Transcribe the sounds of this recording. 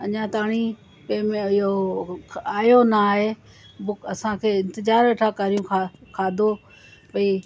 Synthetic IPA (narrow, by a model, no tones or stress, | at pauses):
ɐɲãːt̪aːɽ̃i | kɐ̃ːmẽɪɦo | aːjonəːɦeː | bʊkɐsãkʰeːɪ̃nt̪ɪzaːɾʋeːʈʰakəɾijũkʰakʰaːd̪ʱo | pɐiː